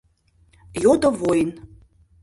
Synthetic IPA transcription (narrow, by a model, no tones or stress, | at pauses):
jod̪ə̆vojn